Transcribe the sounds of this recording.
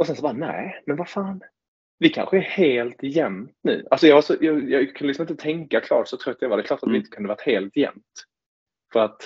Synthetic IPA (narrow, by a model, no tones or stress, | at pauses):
ʔɔsɛnsɔbaːnɛ̰ːmɛnvafaːn | vɪkʰa̰nɧəæɾheːlt̪jɛmt̪nʉ̟̰ːʔalsɔjɑːɡvaʂɔjɑːɡjɑːkʰɵnəɪsɔmɪnt̪ət̪ʰɛŋkakʰlɑ̰ːʈsɔt̪ʰɾœt̪ːjavaɾdɛklɑːʈat̪vɪɪnt̪ə̥kʰɵnd̪əvaʈt̪heːlt̪jɛ̰mt̪ | fœɾat̪